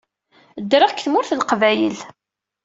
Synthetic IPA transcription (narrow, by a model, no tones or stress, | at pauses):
d̪ɾɑʁkθmʊɾθəlqvæjə̰l